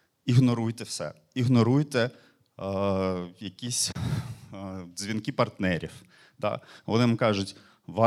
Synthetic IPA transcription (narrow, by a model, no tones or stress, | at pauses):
iɦnɔɾujt̪ɛwsɛ̰ | iɦnɔɾujt̪ɛ | jɐkʲisʲ | zʲʋʲinkɪpɐrt̪nɛɾʲiw | d̪ɑ̰ʋɔ̰nɪnmkɑʒʊtʲ | ʋɑ